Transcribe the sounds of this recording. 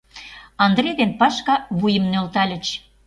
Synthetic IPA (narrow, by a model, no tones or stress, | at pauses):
ɑnd̪ɾed̪enpɑʃkɑβujə̆mnølt̪ɑlʲə̆t͡ɕ